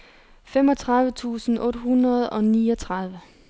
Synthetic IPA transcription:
femɒ̽t͡sʰʁɑ̈ðˠʋət͡sʰṵːsn̩ɔ̽ːd̥ɦunʁɐð̞ˠɒ̽niːɒ̽t͡sʰʁɑð̞ˠʋə

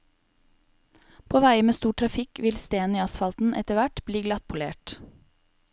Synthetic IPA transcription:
pʰoːʋæɪəmeːst̪uːʈʰɾɑfɪkʰʋɪlst̪eːniːɑsfɑlt̪n̩ʔɛ̰t̪əʋæʈbliːɡlɑt̪̚pʰʊlḛːʈ

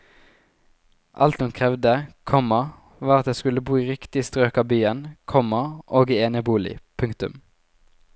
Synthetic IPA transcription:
ʔɑ̰lt̪ɔmkʰʁɛʋd̪əkʰɔmɑ | ʋɑːʁɑt̪̚d̪eːskʉləbuːɪʁɪkt̪ɪst̪ʁøːkɑːbyːənkʰɔmɑʔoːɡeːnəbuːlɪ̰pʰʉŋkt̪ʉ̰m

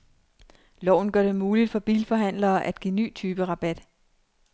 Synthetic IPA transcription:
lɒ̰ʊ̰n̩ɡ̥ɶɐ̰d̥e̝muːlid̥fɒ̽b̥ḭːlfɒ̽ɦæn̰lɐːʔæd̥ɡ̥ḭny̰ːt͡sʰyːb̥əʁɑ̈b̥æd̥

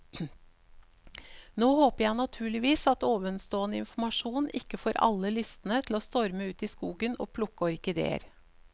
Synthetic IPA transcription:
noːhoːpəjæɪnɑt̪ʰʉːɭɪʋiːsɑt̪oːʋənst̪oːənəɪ̰nfmɑʂuːnɪkːəfɔːɾɑ̰lːəlʏst̪n̩ət̪ʰl̩oːst̪ɔɾməʉːt̪iːskuːɡəno̰ːpʰlʊkːəɔɾkɪd̪ḛːə̰ɾ

